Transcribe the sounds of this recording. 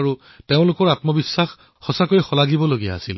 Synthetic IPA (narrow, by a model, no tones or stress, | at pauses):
ɹu | teʊ̃lʊkɔɹatmɔbisːax | xɔsakoɹixɔlaɡibɔloɡija̰ːsḭl